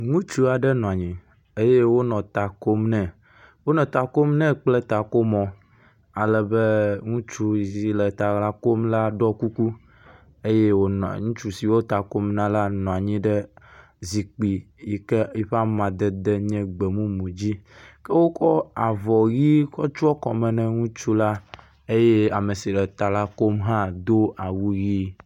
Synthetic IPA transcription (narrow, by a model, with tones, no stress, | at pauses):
ŋũ˦t͡ʃu˦a˨ɖɛ˦nɔ̃˨a˨ɲĩ˨ | e˦je˦wo˦nɔ̃˨t̪a˨ko˦mnɛ̃˨ | wo˦nɔ̃˨t̪a˨ko˦mnɛ̃˦k͡plɛ˦t̪a˨ko˦mɔ̃˨ | a˨lɛ˨be˦ŋũ˦t͡ʃu˦˨zi˨lɛ˨t̪a˨ɣla˦ko˦mla˦ɖɔ˦ku˦ku˦ | e˦je˦wo˦n˨ŋũ˦t͡ʃu˦si˨wo˦t̪a˨ko˦mnã˦la˦nɔ̃˨a˨ɲĩ˦ɖɛ˦ | zi˨k͡pi˨ | i˦kɛ˦i˦ɸa˦mã˨d̪ɛ˦d̪ɛ˦ɲɛ̃˦ɡ͡bɛ˨mũ˦mũ˨d͡ʑi˦kɛ˦wo˦kɔ˦a˨vɔ˨ɣi˦kɔ˦t͡ʃu˦ɔ˦kɔ˨mɛ̃˨nɛ̃˨ŋũ˦t͡ʃu˦la˦ | e˦je˦a˨me˨si˨lɛ˨t̪a˨la˦ko˦mɦã˦d̪o˦a˨wu˦ɣi˦